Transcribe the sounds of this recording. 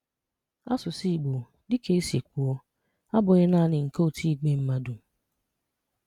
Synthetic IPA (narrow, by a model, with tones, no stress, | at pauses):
a˦sʊ˨si˦i˨ɡ͡bo˨ | dɪ˦ke˦e˦sje˨kʷu˨ɔ˦ | a˦bʊ˨ɣɪ˦na˦nɪ˨ŋ̩˨ko˦o˦˨tʰi˦i˨ɡ͡be˦m̩˦ma˦du˨